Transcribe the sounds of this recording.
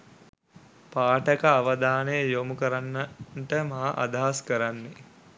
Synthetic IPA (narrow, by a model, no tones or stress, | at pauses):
paːʈəkaːʋəd̪aːnəjəjomukəɾanːaʈəmaɦaʔa̰d̪aɦaskəɾanːe